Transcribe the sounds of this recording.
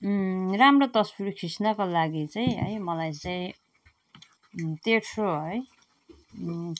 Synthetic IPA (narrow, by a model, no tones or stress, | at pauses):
ramrot̪ʌswirkʰɾisnʌkolaɡit͡saj̃ɦʌ̰jmʌlajt͡saĩ | t̪eʈsʰoɦʌj